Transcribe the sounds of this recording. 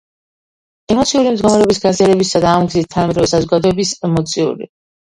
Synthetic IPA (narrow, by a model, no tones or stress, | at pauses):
ɛmɔt̪sʰiuɾimd̪ɡɔmɾɛɔbisɡaziaɾɛbisad̪aːmɡzit̪̚t̪ʰːanamɛd̪ɾɔvɛsazɔɡad̪ɔɛbisɛmɔt̪sʰiṵɾḭ